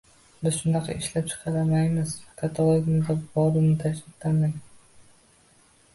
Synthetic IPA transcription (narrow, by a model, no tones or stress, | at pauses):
bɪz̥ʃʊnd̪ɑqʰɑ̰ɪʃlap̚t͡ʃʰɨ̥qʰɑɾamajmɪz̥kʰat̪ʰalˠoɡʲmɪd̪abɒɾɪnɪt̪ʰakʲʰɪt̪lamaj